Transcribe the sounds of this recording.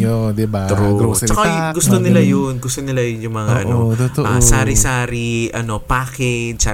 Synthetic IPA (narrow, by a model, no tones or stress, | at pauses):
od̪ɪbt̪ɾut͡ʃɐkaɡʊst̪onɪlajʊnɡʊst̪onɪlajʊnjʊŋmɐŋa̰ʔɐ̰noʔɐsaːɾɪsaːɾiʔɐno̞paːkɛd̪̚sa